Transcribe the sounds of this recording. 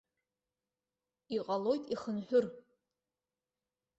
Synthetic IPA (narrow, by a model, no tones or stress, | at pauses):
iqʼɐlojtʰʼiχənħʷᶣʊr